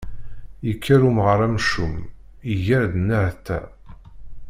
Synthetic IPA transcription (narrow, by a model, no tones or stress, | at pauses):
jəkʰːæɾumʁəɾˤæmʃum | iʝæɾd̪nːaʕt̪ːæ̰